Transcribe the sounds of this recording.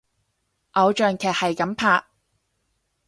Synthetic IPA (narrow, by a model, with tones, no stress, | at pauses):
ʔɐ˨˧wt͡ʃœː˨˩ŋkʰɛː˨˩k̚hɐ˨jkɐ˨˥mpʰaː˨˩k̚